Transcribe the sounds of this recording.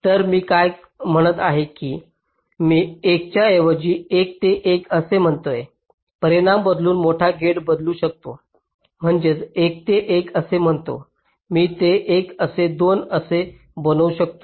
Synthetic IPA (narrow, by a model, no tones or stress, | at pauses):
t̪əɾmiːkaj | m̤əɽ̃ət̪aɦekiː | miːek̚t͡ɕjaeʋəd͡ʑiːek̚t̪eʔekəsem̤əɳt̪oje | pəɾiɽ̃ambəd̪luːnmoʈʰaɡʱeɽbəd̪luːɕək̚t̪o | m̤əɳd͡ʑet͡sek̚t̪eʔekəsem̤əɳt̪o̰ | miːt̪eʔekəsed̪onəse | bənəuɕək̚t̪o